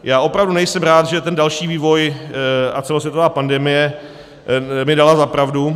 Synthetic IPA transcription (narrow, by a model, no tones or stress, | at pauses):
jaːʔo̞pɾavdunɛjsɛmɾaːt̪ʒɛt̪ɛndalʃiːviːvo̞j | at͡sɛlos̬vjɛt̪ovaːpandɛmɪjɛ | mɪdalazapɾavdu